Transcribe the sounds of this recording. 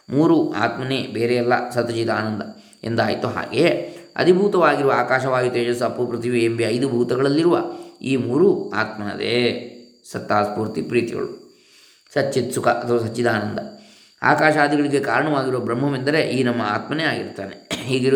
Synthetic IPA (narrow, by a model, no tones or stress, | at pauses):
muːɾuʔa̰ːt̪mɐneːbeːɾejɛlːɐ̰sɐt̪ɐt͡ʃid̪aːnɐnd̪ɐ | end̪aːjt̪uɦa̰ːɡeɐ̰d̪ʱibʱuːt̪ɐʋaːɡiɾuʋɐaːkaːʃɐʋaːɡit̪ːeːd͡ʒɐs̬ːɐpːupɾɐt̪ʰiʋiembiɐjd̪ubʱuːt̪ɐɡɐɭɐlːiɾuʋɐ̰iːmuːɾua̰ːt̪mɐɐ̰d̪ḛ | sɐt̪ːaːspuːɾt̪ipɾiːt̪iɡɐ̰ɭu | sɐt͡ʃːit̪sukɐʔɐt̪ʰɐʋaːs̬ɐt͡ʃːid̪aːnɐnd̪ɐ | a̰ːkaːʃaːd̪iɡɐɭiɡe̞kaːɾɐɳɐʋaːɡiɾuʋɐbɾɐmːɐmend̪ɐɾe̞ʔiːnɐmːɐaːt̪mɐneaːɡḭɾt̪ːaːneɦiːɡe